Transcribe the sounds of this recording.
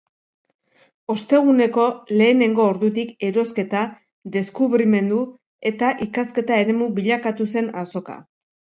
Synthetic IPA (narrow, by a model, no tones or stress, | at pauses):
o̞st̪e̞ɣ̞une̞ko̞le̞ːne̞ŋɡo̞ːɾðut̪ike̞ɾo̞ske̞t̪a | ðe̞skuβɾime̞nd̪u | e̞t̪aʔikaske̞t̪ae̞ɾe̞muβiʎakat̪use̞naso̞ka̰